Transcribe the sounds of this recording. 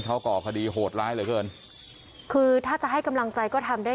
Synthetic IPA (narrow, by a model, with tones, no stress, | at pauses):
kʰa˦˥wkɔː˨˩kʰa˧diː˧ɦoː˨˩t̪̚ɾaː˦˥jlɤː˨˦jkɤː˧n | kʰɯː˧t̪ʰaː˥˩t͡ɕa˨ʔɦa˥˩jka˧mla˧ŋt͡ɕa˧jkɔː˥˩t̪ʰa˧mdaː˥˩